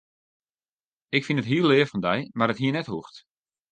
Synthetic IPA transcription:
ɪkfinətɦiəlːɪəfɔndɛjmarətɦiənɛthuxt

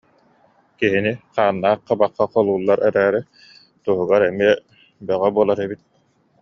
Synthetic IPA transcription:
kiɦiniqaːnːaːqːabaqːaqɔlˠuːlˠːaɾɛɾæːɾɛ | t̪uɦuɡaɾɛmiɛ | bœʁœbuɔlˠaɾɛbit̪̚

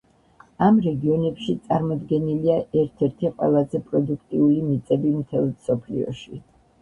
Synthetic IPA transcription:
amɾɛɡiɔnɛpʃit̪sʼaɾmɔd̪ɡɛniliaʔɛɾt̪ʰɛɾt̪ʰiqʼwɛ̰lˠazɛpʼɾɔd̪ukʰt̪ʼiulimit̪sʼɛbimt̪ʰɛlˠmsɔpʰlḭɔ̰ʃi

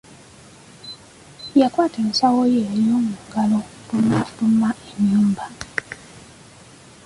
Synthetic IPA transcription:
jakwaːtensawojeɾjoːmuɡalo | maomaʔeɲːuːmba

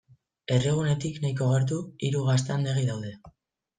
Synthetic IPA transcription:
e̞reɣ̞une̞t̪iknajko̞ɣeɾt̪̬uiɾuɣas̬t̪eand̪eɣ̞iðawðe̞

